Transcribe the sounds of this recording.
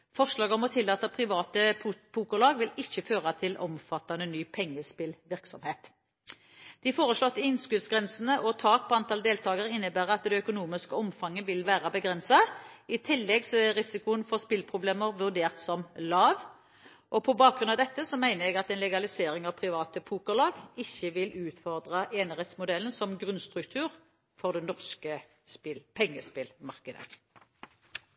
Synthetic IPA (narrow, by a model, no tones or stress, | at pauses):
fɔʁʂlɑːɡɔmɔt̪ʰɪlːɑːt̪ɑpʰʁɪʋɑːt̪əpʰuːkəlɑːɡʋɪlɪçːəføːʁɑt̪ʰɪlʔɔ̰mfɑt̪ːɑnənyːpʰɛŋːəspɪlʋɪʁksɔmheːt̪ | d̪̥ɪfoːʁəsɭɔt̪ːɪɪnskʉlsɡʁɛnsənəʔɔt̪ʰɑːk̚pʰɔɑnt̪ʰɑld̪eːlt̪ʰɑːɡəʁɪnːəbæːʁɑt̪d̪ɛœkʊnuːmɪskəɔmfɑŋːəʋɪlʋæːʁɑbəɡʁɛnsɑɪt̪ʰɪlːɛɡsɔæʁɪsɪkʊənfɔʁspɪlpʰʁʊbleːməʁʋʉʁd̪eːʁt̪sɔmlɑːʋ | ʔɔpʰɔbɑːk̚ɡʁʉnɑd̪ɛt̪ːəsɔmæɪnəʁɛɡɑt̪ɛnlɛɡɑlɪseːɾɪŋɑʋpʰʁɪʋɑːt̪əpʰuːkəʁlɑːɡɪçːəʋɪlʉːt̪fɔʁd̪ʁɑʔeːnəʁɛt̪smʊd̪ɛln̩sɔmɡʁʉnst̪ʁʉk̚t̪ʰʉːʁ | fɔʁd̪ɛnɔʁskə | spɪlpʰɛŋːəspɪlmɑʁkəd̪ə̰